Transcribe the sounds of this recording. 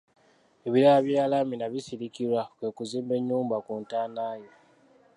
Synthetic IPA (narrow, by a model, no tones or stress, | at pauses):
eβiɾalaβjaːlaminaβisiɾikilwakwe̞ːkuziːmbe̞ɲːuːmbakuntaːnaːje